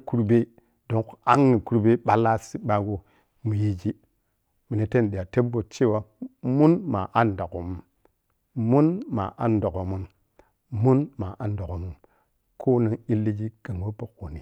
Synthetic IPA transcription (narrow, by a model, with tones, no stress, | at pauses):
ku˦ɾbe˦ | do˨˦ŋka˦ŋːi˨ku˦ɾbe˦ɓa˦la˦si˦ɓa˨˦ɡo˦ | mu˨je˦d͡ʒi˦ | mi˨ne˨te˦n˨ɗi˨ja˨te˦bo˨t͡ʃe˦˨wa˦mu˦nma˨ʔa˦nda˨ko˨mu˦m | mu˦nma̰˨ʔa˦ndo˨ko˨mu˦n | mu˦nma˨ʔa˦ndo˨ko˨mu˨m | kʰo˦ni˦ŋi˦lːi˦d͡ʒi˦ɡ̥a˨ŋwo˦bo˦ko˨ni˨